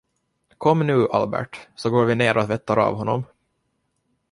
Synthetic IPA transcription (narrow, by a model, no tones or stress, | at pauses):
kʰɔmːnʉ̟ːʔa̰lbæ̰ʈsɔɡoːɾvɪneːɾɔt̪vɛt̪ːaɾa̰ːvɦɔnːɔm